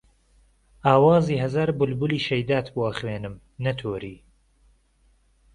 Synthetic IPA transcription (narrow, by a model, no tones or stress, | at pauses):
aːwɑːziːɦɐzaːɾbʊlbʊliːʃɐjd̪aːt̪boɐχweːnɨm | nɐt̪ʰoːɾiː